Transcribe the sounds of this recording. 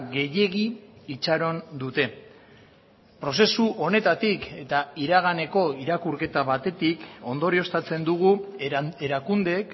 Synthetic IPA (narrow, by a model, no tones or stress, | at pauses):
ɡe̞je̞ɣiːt͡saɾo̞nd̪ut̪e̞ | pɾo̞s̬e̞suʔo̞ne̞t̪at̪ike̞t̪aiɾaɣane̞ko̞iɾakuɾke̞t̪aβat̪e̞t̪iko̞nd̪o̞ɾio̞st̪at͡se̞nd̪uɣ̞ueɾakund̪e̞k